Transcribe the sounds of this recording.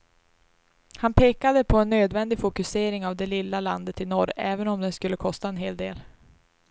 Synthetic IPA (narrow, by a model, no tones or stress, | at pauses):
hanpʰeːkad̪əpʰɔɛnːøːd̪vɛnd̪ɪɡfʊkɵseːɾɪŋavd̪ɛlɪlːaland̪ət̪ɪnɔɾɛːvənɔmd̪ɛnskɵlːəkʰɔst̪aɛnɦeːld̪eːl